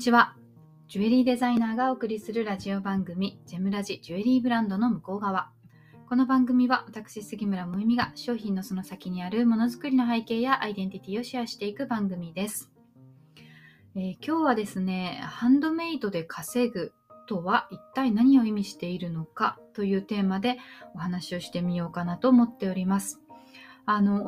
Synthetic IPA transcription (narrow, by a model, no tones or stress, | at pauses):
it͡ɕiβa | d͡ʑɨe̞ɾʲiːd̪e̞zainaːɡao̞ːkɯ̟ɾʲisɨɾɯ̟ɾaʑio̞bãŋɡɯ̟mʲid͡ʑe̞mɯ̟ɾaʑid͡ʑɯe̞ɾʲiːbɯ̟ɾãnd̪o̞no̞mɯ̟ko̞ːɡaβ̞a | ko̞no̞bãŋɡɯ̟mʲiβaβat̪akɯ̟ɕisɨɡʲimɯ̟ɾamoimʲiɡaɕo̞ːçĩnːo̞so̞no̞sakʲiɲ̟iaɾɯ̟mo̞no̞zɨkɯ̟ɾʲino̞ɦaike̞ːjaʔaid̪ẽ̞nt̪ʲit̪ʲiːo̞ɕiaɕi̥t̪e̞ikɯ̟bãŋɡɯ̟mʲid̪e̞sɨ̥ | eːkʲo̞ːβad̪e̞sɨne̞hãnd̪o̞me̞it̪o̞d̪e̞kʰase̞ɡɯ̟ | t̪o̞βaʔit̪ːainaɲ̟io̞imʲiɕi̥t̪e̞iɾɯ̟no̞kat̪o̞jɯ̟ːt̪e̞ːmad̪e̞o̞hanaɕio̞ɕi̥t̪e̞mʲijo̞ːkanat̪o̞ːmo̞t̪ːe̞oɾʲimasɨ̥ | ano̞